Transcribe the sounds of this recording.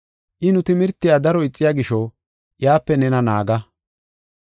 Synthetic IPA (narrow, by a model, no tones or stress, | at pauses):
ʔɪnʊt̪ɪmɪɾt̪ːɪjaːd̪ɐɾɔɪt͡sʼːɪjaːɡɪʃɔ | jaːpːɛnɛnɐna̰ːɡɐ